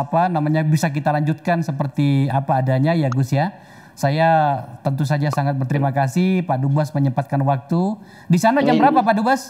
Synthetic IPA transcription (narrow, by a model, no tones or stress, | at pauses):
apanamaɲabisak̬it̪alaɲd͡ʒut̪̚kansəpərt̪iapaːdaɲajaɡʊsja | sajat̪ənt̪us̬ad͡ʒasaŋat̪̚bərt̪əɾimakasihpadubasməɲəpat̪̚kanwak̚t̪u | disanad͡ʒaŋbəɾapapadubas